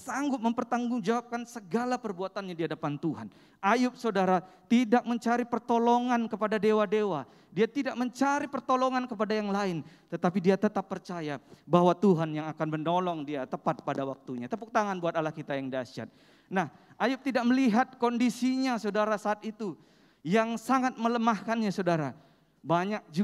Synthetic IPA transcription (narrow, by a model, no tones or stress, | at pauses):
saŋɡʊt̪̚məmpərt̪aŋɡʊŋd͡ʒawap̚kansəɡalapərbuat̪anɲadiɦadapant̪uɦa̰n | ʔajʊp̚sadaɾa | t̪idak̚məɲt͡ʃaɾipərt̪oloŋankəpadadewadewa | diat̪idak̚məɲt͡ʃaɾipərt̪olɔŋankəpadajaŋlaɪnt̪ət̪apidiat̪ət̪apːərt͡ʃajabaɦwat̪uɦanjaŋakanməndolɔŋdiat̪əpat̪̚padawak̚t̪uɲat̪əpuk̚t̪aŋanbuat̪alahkit̪ajaŋdiasia̰t̪̚ | nah | ʔajʊp̚t̪idak̚məliɦat̪̚kondisiɲasodaɾasaːt̪it̪u | jaŋsaŋat̪̚mələmahkanɲasodaɾa | baɲak̚d͡ʒu